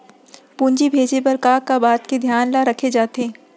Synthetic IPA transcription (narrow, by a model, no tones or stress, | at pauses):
pũːnd͡ʒibʱeːd͡ʒepɐɾkaːkabaːt̪ked̪ʱjaːnlaɾɐkʰed͡ʒaːt̪eː